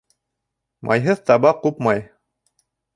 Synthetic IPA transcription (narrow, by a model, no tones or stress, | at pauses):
mʔɑ̰jɦɤðt̪ɑβɑqupmɑj